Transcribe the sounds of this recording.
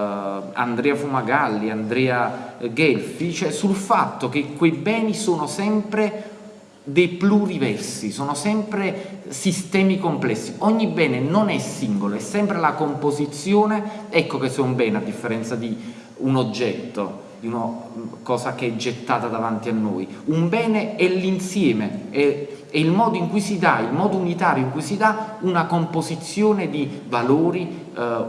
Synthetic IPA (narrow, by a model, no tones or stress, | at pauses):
a̰nd̪ɾɛːafumaɡalːiand̪ɾɛːaɡɛlfit͡ʃɛsulfat̪ːok̟ekːwejbɛːnisoːnosɛmpɾe | d̪ejplurivɛrsisoːnosɛmpɾesist̪ɛːmikomplɛsːiɔɲːibɛːnenonɛsːiŋɡoloɛsːɛmpɾelakompozit̪sːjoːneɛkːokesːɛumbɛːnead̪ːifːeɾɛnt̪sad̪i | unod͡ʒːɛt̪ːo̰ | d̪iunokɔːsakeɛd͡ʒːet̪ːaːt̪ad̪avant̪ianːo̰ːjumbɛːneɛlːinsjɛːmeɛɛilmɔːd̪oiŋkujsid̪a̰ilmɔːd̪ounit̪aːɾjoiŋkujsid̪aunakompozit̪sːjoːned̪ivaloːɾi